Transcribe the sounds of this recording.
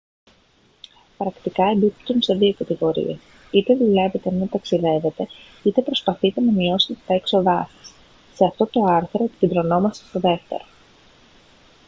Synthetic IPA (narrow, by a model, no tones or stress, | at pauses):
pɾɐkt̪ikɐebit̪unse̞ðio̞kɐt̪iɣo̞ɾḭes | it̪e̞ðule̞ve̞t̪enet̪ɐksiðe̞ve̞t̪e̞ | it̪e̞pɾo̞spɐθit̪e̞nɐmio̞se̞t̪et̪ɐekso̞ðɐsi̥s | se̞ɐft̪o̞t̪o̞ɐɾθɾo̞e̞pi̥cend̪ɾo̞no̞mɐst̪est̪o̞ðe̞ft̪e̞̰ɾo̞